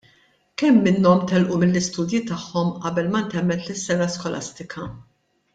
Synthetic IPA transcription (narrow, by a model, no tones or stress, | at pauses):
kɛmːɪnːɔmt̪ɛlʔumɪlːɪst̪uːd̪jit̪ɐħːɔmʔɐbɛlmɐnt̪ɛmːɛt̪lɪsːɛnɐskɔlɐ̰st̪ɪkʰɐ